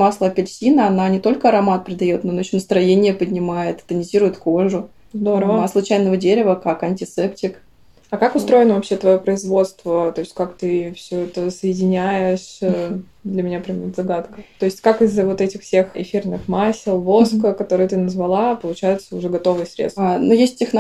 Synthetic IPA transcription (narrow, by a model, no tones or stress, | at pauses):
maslˠəkʲɐlʲsʲinəɐnanʲɪt̪o̞lʲkəɐɾɐmat̪̚pʲɾʲɪd̪ɐjo̞t̪nooɕʲːonəst̪ɾɐjenʲɪjəpədʲnʲɪmajɪt̪t̪ənʲɪzʲiɾʊjɪt̪koʐʊ | zd̪o̞ɾəvvəslˠʊt͡ɕæjnəvədʲeɾʲɪvəkakɐnʲtʲɪsɛptʲɪk | ɐkakʊst̪ɾo̞ɪnəvɐpɕːet̪vɐjopɾəɪzvo̞t̪st̪vət̪o̞ɪsʲtʲkakt̪ɨfsʲoɛt̪əsəjɪdʲɪnʲæjɪʂ | d̪lʲəmʲɪnʲapɾʲɛmʲt̪zɐɡat̪kə̥t̪o̞ɪsʲtʲkakɪzːəvo̞t̪ɛtʲɪxfsʲe̞xɪ̰fʲirnɨxmasʲɪlˠvo̞skəkɐt̪o̞ɾɨjət̪ɨnəzvɐlˠapəlˠʊt͡ɕæjʊt̪səʊʐɛɡɐt̪o̞vɨjsɾʲḛsnojesʲtʲːɪxn